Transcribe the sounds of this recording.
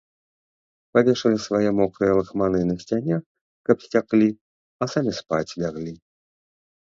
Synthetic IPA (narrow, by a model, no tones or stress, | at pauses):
pavʲeʂɐlʲisvajɛmɔkɾɨjɛlˠɨxmanɨnɐsʲt͡sʲanʲɛ | kɐpsʲt͡sʲaklʲi | ɐsamʲispat͡sʲvʲaɣlʲi